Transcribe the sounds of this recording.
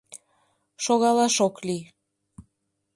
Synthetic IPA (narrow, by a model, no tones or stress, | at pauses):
ʃoɣɑlɑʃokli